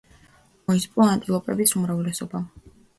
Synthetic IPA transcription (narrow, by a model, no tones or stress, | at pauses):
mɔizpʼɔant̪ʼilˠɔpʼɛbisumɾavlɛsɔba